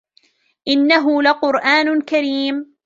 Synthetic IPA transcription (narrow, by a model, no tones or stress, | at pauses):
ʔɪnːaɦʊlaqʊɾʔaːnʊkaɾiːm